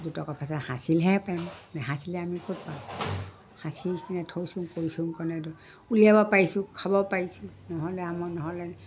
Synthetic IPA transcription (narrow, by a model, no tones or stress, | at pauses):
dutɔkapʰasathasilɦɛpajmnɛɦasilɛamikot̚pa | hasikinɛtʰojsuŋkoɹisuŋkɔnɛdu | uliabɔpaɹisʊ̃kʰabɔpaɹisũnɔɦɔlɛamɔnɔɦɔlɛ